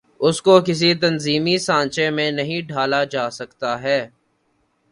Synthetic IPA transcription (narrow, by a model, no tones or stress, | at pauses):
ʊskokɪs̬it̪ɐnziːmisãːnt͡ʃẽmẽnɐɦĩɖʱaːlad͡ʒaːsɐkt̪aɦɛː